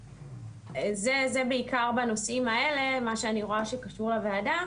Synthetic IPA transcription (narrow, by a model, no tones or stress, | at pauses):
zezebeikaʁbano̞simae̞le̞maʃeaniʁo̞aʃekaʃuʁlaveada